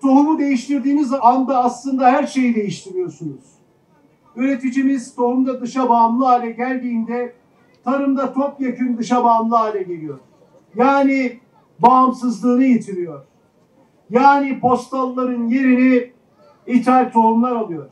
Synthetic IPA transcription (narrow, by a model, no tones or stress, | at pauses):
t̪ʰo̞ɦumud̪e̞jiʃt̪ʰiɾd̪iːmizand̪aːslˠɯnd̪aɦæɾʃe̞jid̪e̞jiʃt̪ʰiɾijo̞ɾsunuz̥ | øɾe̞t̪ʰid͡ʒimiz̥t̪ʰo̞ɦumd̪ad̪ɯʃabaːmlˠɯaːlʲɛɟælʲd̪iːnd̪ɛ | t̪ʰaɾɯmd̪at̪ʰopjakʰɯnd̪ɯʃabaːmlˠɯaːlʲɛɟe̞lʲijo̞ɾ̥ | jaːni | baːmsɯzlˠɯːnɯjet̪ʰiɾijo̞ɾ̥ | jaːnipʰo̞st̪alˠːaɾɯnje̞ɾini | it̪ʰalʲt̪ʰo̞humlˠaɾalˠɯjo̞ɾ̥